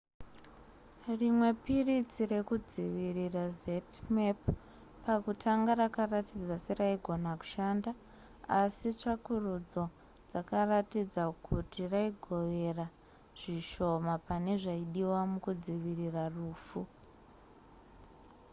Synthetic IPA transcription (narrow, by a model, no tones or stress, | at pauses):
rimwe̞pirit͡sire̞kud͡ziʋirirazetmep | pakutʰaŋɡaɾakaratid͡zaseraiɡʱo̞naku̥ʃanda | asit͡ʂakurud͡zo̞ | d͡zakaratid͡zakʰutiraiɡʱo̞ʋe̞ra | ʐ̥iʃo̞mapane̞ʐaiɗiwamukud͡ziʋiriraruːfu